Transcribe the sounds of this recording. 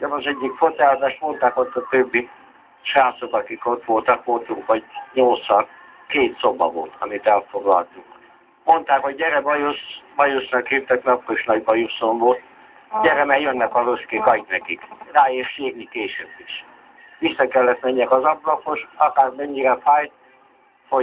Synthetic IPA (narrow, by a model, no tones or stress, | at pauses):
ɛmɒzɛɟːikfot̪ɛzaːʃmo̞nt̪aːkot̪ːɒt̪øbːi | ʃaːt̪so̞kɒkikot̪ʋo̞lt̪ɒkʋo̞lt̪uŋkʋɒɟɲolt̪sɒ | keːt̪sobɒ̰vo̞̰lt̪ʰɒ̰mit̪ɛlfoɡlɒ̰lt̪uk | mo̞nt̪aːkhoɟːɛɾɛbɒjosbɒjusnɒkheːt̪ːɛknɒpːoiʃnɒɟbɒjusoɱvo̞lt̪ | ɟɛɾɛmɛjønːɛkɒɾoskeːkɒɟnɛkikraːeːrʃeːrnikeːʃøbːiʃ | ʋisːɒkɛlːɛt̪mɛɲːɛkɒzɒblɒko̞ʃɒkaːrmɛɲːiɾɛfaːjt̪̚ | ho